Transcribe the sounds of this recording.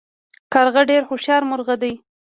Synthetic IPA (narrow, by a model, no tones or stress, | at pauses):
kaɾɣaɖeɾxʊʃjɑɾmʊɾɣad̪aj